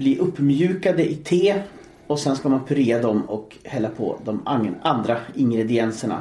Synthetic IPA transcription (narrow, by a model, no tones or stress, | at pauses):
bliʔɵpːmjʉ̟ːkad̪əʔɪt̪ʰeː | ɔsɛnskamanpʰɵɾeːɾad̪ɔmɔk | hɛlːapʰɔ̰ːd̪ɔmand̪ɾaɪŋɡɾɛd̪ɪɛnsəɳa̰